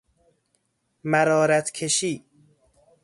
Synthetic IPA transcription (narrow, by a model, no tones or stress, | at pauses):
mæɾɒːɾæt̪ʰkʰeʃiː